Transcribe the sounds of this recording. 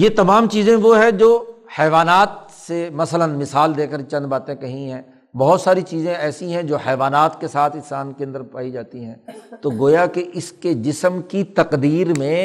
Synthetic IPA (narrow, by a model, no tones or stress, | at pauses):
jet̪ɐmaːmt͡ʃiːzẽʋoɦɛ̃d͡ʒoːhɛːʋaːnaːt̪̚ | semɐsələnmɪsaːld̪eːkəɾt͡ʃɐ̃nd̪baːt̪ẽkɐɦĩɦɛ̃ː | bɐɦʊt̪saːɾit͡ʃiːzẽɛːsiɦɛ̃d͡ʒoːhɛːʋaːnaːt̪kesaːt̪ʰɪ̃nsaːnkeɐ̃nd̪əɾpaːid͡ʒaːt̪iɦɛ̃ːt̪oːɡoːjakeʔɪsked͡ʒɪsəmkit̪ɐqd̪iːɾmẽ